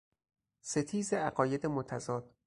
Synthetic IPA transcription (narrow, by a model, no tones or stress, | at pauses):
set̪ʰiːzeæɢɒːje̞d̪emot̪ʰæzɒːd̪̥̚